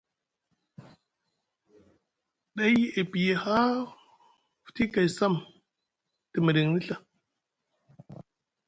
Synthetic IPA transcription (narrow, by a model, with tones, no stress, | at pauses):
ɗa˦je˨pi˨je˨ha˦ | fti˦ka˨jsa˦˨m | ti˨mi˨ɾi˨ŋni˦ɬa˨